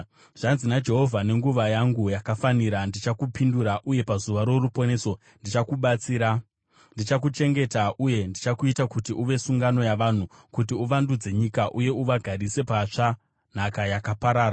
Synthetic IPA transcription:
ʐ̥anzinad͡ʒe̞ɦo̞vʱane̞ŋɡuʋajaŋɡujakafaniɾandit͡ʃakupinduɾaʔuje̞pazuʋaɾo̞rupo̞ne̞ːso̞ | ndit͡ʃakuɓat͡siːɾa | ndit͡ʃak̬ut͡ʃe̞ŋɡe̞taʔuje̞ndit͡ʃakuitakutiʔuʋe̞suŋɡano̞jaʋan̤u | kutiuʋandud͡ze̞ɲikaʔuje̞uʋaɡʱaɾise̞pat͡ʂa | n̤akajakapaɾaːɾa

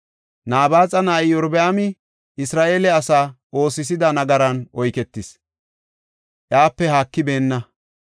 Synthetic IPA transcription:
naːbaːt͡sʼɐnaːɪjɔɾbɛaːmɪ | ɪsɾaːʔe̞ːlɛɐsaːʔo̞ːsɪs̬ɪd̪ɐnɐɡɐɾɐnʔɔjkɛt̪ːɪs | ʔjaːpːɛhaːkːɪbe̞ːnːɐ

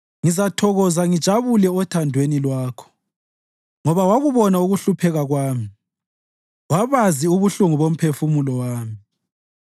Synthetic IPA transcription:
ŋizatʰɔɣɔzaŋid̥ʒ̥ʱaβulɛɔtʰandʱwenilwaːkʰɔ̥ | ŋɔβawaɣuβɔnauɣuɬupʰɛɣaɣwaːmi | waβaziuβuɬuŋuβom̩pʰefumulɔwaːmi

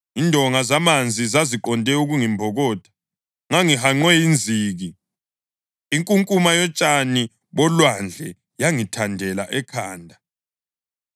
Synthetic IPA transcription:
indʱɔŋazamand͡zʱizaziǃɔndʱɛuɣuŋimbʱɔɣɔːd̥ʰʱḁ | ŋaŋiɦaŋ͡ǀwɛjind͡zʱiːɣi | ŋkʼuŋkʼumajɔt͡ʃʼani | βɔlwand͡ɮʱɛ | jaŋitʰandʱɛlaʔɛkʰaːndʱa

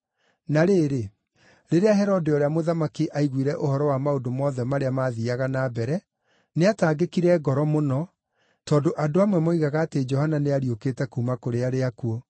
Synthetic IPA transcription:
naɾeːɾe | ɾeɾeaɦɛɾɔdeoɾeamoðamakiʔaiɣwiɾɛʔohɔɾɔwamaodomɔːðɛmaɾeamaːðiaɣanabɛɾɛ | neataːɡekiɾɛɡɔɾɔmonɔ | tɔːndoʔadoamwɛmoiɣaɣaːted͡ʒɔhananeaɾioketɛkuːmakoɾeaɾeakuɔ

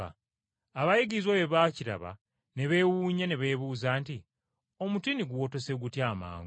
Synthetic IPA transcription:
a | aβajiɡizwaβeβaːciɾa̰βa̰ | ne̞βe̞wuːɲaneβe̞ːβuːzaːnti | o̞mutiniɡuwo̞to̞se̞ɡutjaːma̰ːŋ

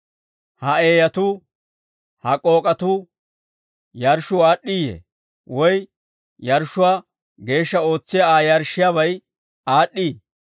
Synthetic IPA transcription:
hɐe̞ːjɐt̪uː | hɐkʼo̞ːkʼɐt̪uː | jɐɾʃʊaːɗːɪijḛː | wɔj | jɐɾʃʊwaː | ɡe̞ːʃːɐo̞ːt͡sːɪjaaːjɐɾʃːɪjaːβɐj | aːɗːiː

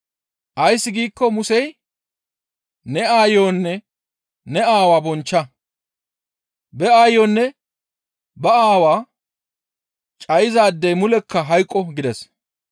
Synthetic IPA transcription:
ʔɐjsːɪɡiːkːɔmʊsɛj | nɛaːjoːnːɛ | nɛaːwaːbɔnt͡ʃːɐ | bɛaːjoːnːɛ | bɐaːwaː | t͡ʃʼɐjɪzaːd̪ːɛjmʊlɛkʰːɐɦɐjkʼːɔɡɪd̪ɛs

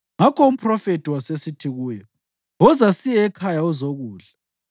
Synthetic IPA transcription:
ŋakɔum̩pʰʼrɔfetʰʼiwasesitʰiɣuːjɔ | ɔzasijɛːkʰajaɔzoɣuːɮa

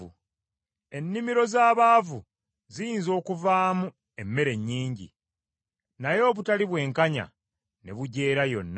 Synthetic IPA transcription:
ṵ | e̞nːimiɾo̞zaːβaːvu | zijiːnzo̞ːkuvaːmu | e̞mːe̞ɾe̞ɲːiːɲɟḭ | najo̞ːβutaliβwe̞ːŋkaɲa̰ | ne̞βuɟe̞ːɾajo̞̰nː

